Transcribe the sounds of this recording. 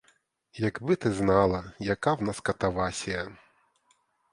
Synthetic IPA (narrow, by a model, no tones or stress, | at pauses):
jaɡbɨt̪ɨznalˠɐjakawnaskɐt̪avasʲɛ